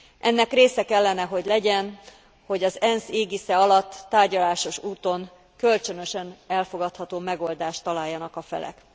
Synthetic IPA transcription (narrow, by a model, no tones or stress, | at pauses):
ʔɛnːɛkreːsɛkɛlːɛnɛɦo̞ɟlɛɟɛn | ho̞ɟɒzɛnseːɡisɛɒlɒt̪ːaːrɟɒlaːʃo̞ʃuːt̪o̞ŋ | kølt͡ʃønø̞ʃɛnɛlfo̞ɡɒt̪hɒt̪oːmɛɡo̞ld̪aːʃt̪ːɒlaːjːɒnɒkɒfɛ̰lɛ̰k